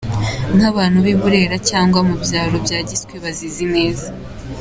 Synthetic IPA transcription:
n̥haβaːn̥huβiβuɾe̞ɾacaːŋɡwamubjaːɾo̞bjaːɟiskweβazizine̞ːza

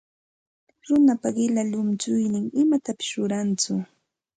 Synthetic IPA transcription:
ɾʊnapaɢɪlalʊmt͡ʃʊjnɪŋɪmat̪apɪ̥sɾʊɾant͡sʊ

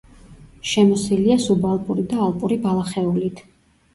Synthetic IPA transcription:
ʃɛmɔsiliasubalˠpʼuɾid̪aːlˠpʼuɾibalˠaχɛulit̪ʰ

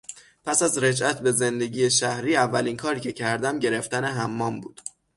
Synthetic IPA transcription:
pʰæsæzɾe̞d͡ʒʔæt̪ʰbe̞ze̞nd̪e̞ɟiːeʃæhɾiːævːæliːnkʰɒːɾiːcʰe̞cʰæɾd̪æmɟe̞ɾe̞ft̪æne̞ɦæmːɒːmbuːd̪̥

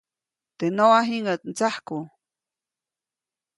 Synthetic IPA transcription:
t̪enoaɦiŋət̪̚nt͡sahku

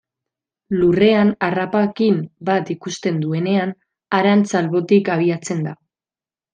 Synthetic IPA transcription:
lure̞anarapaekimbat̪ikust̪e̞nd̪ue̞ne̞an | aɾant͡salβo̞t̪ikaβ̞iat͡se̞nd̪a

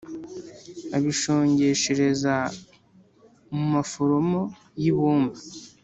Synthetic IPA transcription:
aβiʃo̞ːɲɟe̞ʃeɾe̞za | mumafoɾomo | jiβuːmbḁ

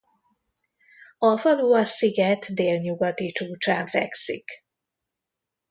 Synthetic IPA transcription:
ɒfɒluːɒsiɡɛt̪d̪eːlɲuɡɒt̪it͡ʃuːt͡ʃaːɱfɛ̰ksḭk

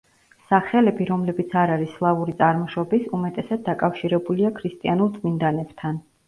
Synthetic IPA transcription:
saχɛlɛbiɾɔmlɛbit̪sʰaɾaɾislˠavuɾit̪sʼaɾmɔʃɔbisumɛt̪ʼɛsad̪̚ːakʼafʃiɾɛbuliakʰɾist̪ʼianuɾt̪sʼmind̪anɛbt̪ʰan

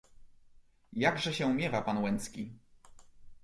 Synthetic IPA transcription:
jaɡʐɛɕɛumʲjɛvapanwɛnt̪skʲi

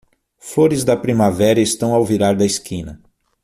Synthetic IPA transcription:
foɾɪzd̪ɐpɾimavɛɾɐest̪ɐ̃w̃awviɾaɾd̪ɐeskĩnɐ

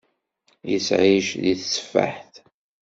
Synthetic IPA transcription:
jəsʕiʃðiθsə̥fːa̰ħθ

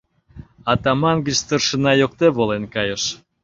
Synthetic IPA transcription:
ɑt̪ɑmɑnɡət͡ɕt̪ərʃə̆nɑjokt̪eβolenkɑjəʃ

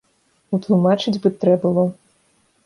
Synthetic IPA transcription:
ut̪lˠumat͡ʂɨd͡zʲbɨt̪ɾɛbɨlˠɔ

